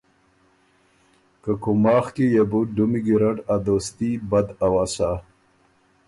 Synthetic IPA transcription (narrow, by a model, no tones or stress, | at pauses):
kakʊmɑːxkejebuɖumiɡiɾaʈad̪ost̪ibad̪awaːsa